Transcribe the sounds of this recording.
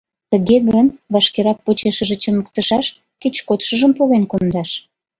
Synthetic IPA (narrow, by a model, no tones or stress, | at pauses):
t̪əɣeɣənβɑʃkeɾɑk̚pot͡ɕeʃəʒĕt͡ɕəməkt̪əʃɑʃ | ket͡ɕkot̪ʃəʒəmpoɣenkond̪ɑʃ